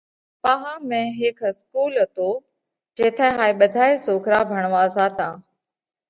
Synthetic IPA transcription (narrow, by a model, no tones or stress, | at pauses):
pãɦãːmɛ̃ːɦɪkʰskuːlɦət̪oː | d͡ʒeːt̪ʰaɦaːeɓəd̪ʱaːesoːkʰɾaːbʱəɽ̃ʋaːsaːt̪ãː